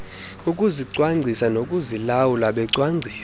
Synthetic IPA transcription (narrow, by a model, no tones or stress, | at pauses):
ukʼuziǀwaŋ͡ǀʱisanokʼuzilawulaɓɛǀwaŋ͡ǀʱiː